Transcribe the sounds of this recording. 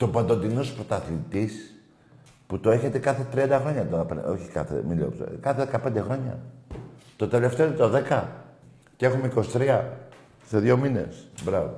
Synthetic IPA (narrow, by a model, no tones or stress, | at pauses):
t̪o̞bɐnd̪o̞nd̪inospɾot̪ɐθint̪is | put̪oe̞çe̞t̪ekɐθet̪ɾiɐnd̪ɐxɾo̞ɲɐt̪oɐpo̞çi̥kɐ̰θḛmilo̰pt̪kɐθeðekɐpe̞nd̪exɾo̞ɲɐ̰ | t̪o̞t̪e̞le̞ft̪eot̪et̪oðe̞kɐ | ce̞xumeiko̞si̥t̪ɾiɐ | seðjo̞mine̞̰sbɾɐvo